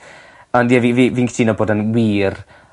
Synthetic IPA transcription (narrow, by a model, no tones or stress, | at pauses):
ɔnjɛviviviːŋkʰtʰiːnɔboːdanwiːr